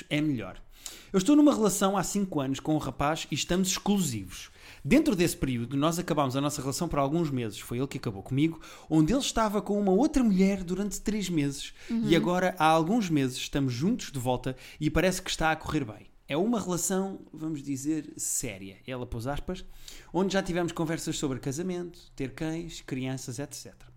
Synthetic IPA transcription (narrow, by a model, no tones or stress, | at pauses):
ɛmʎɔ̰ɾ | ewʃt̪onumɐʁɨlˠɐsɐ̃w̃asĩŋkwɐnuʃkõuʁɐpaʒiʃt̪ɐmuzʃklˠuzivuʃ | d̪ẽnt̪ɾuðespɨɾiuðunɔzɐkɐβamuzɐnɔsɐʁɨlˠɐsɐ̃w̃pɐɾalˠɣũʒmezɨʃfojelˠkɐkɐβokumiɣu | õnd̪elˠʃt̪avɐkõumɐot̪ɾɐmuʎɛɾd̪uɾɐ̃nt̪ːɾeʒmezɨʃiɐɣɔɾɐʔaalˠɣũʒmezɨʃʃːt̪ɐmuʒːũnt̪u̥ʒ̥d̪ɨvɔlˠt̪ɐ | ipɐɾɛskɨ̥ʃt̪aɐkuʁeɾβɐ̰̃j̃ | ɛumɐʁɨlˠɐsɐ̃w̃vɐmuʒðizeɾsɛ̰ɾjɐ̰ɛlˠɐpozaʃpɐʃõnd̪ʒat̪ivɛmuʃkõvɛɾsɐʃsoβɾkɐzɐmẽnt̪u̥t̪eɾkɐ̃j̃ʃkɾiɐ̃sɐzɛt̪sɛt̪ɾɐ